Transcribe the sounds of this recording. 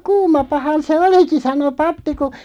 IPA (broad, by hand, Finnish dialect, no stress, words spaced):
kuːmɑpɑhɑn se oliki sɑno pɑpːi ku